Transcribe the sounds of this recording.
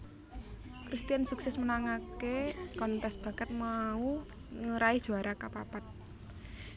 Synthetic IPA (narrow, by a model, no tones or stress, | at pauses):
kɾist̪ijansuksɛsmənaŋakekɔnt̪ɛsb̥a̤kət̪̚mau | ŋəɾai̥ʒ̥o̤aɾakapapat̪̚